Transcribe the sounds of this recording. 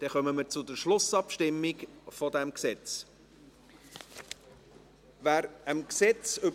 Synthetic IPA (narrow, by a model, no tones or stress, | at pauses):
d̪̥ɛχœməməɾt͡sʊd̪əɾʃlʊsɑpʃtɪmːikfɔd̪ɛmksɛt͡s | væːɾəmksɛt͡sʏ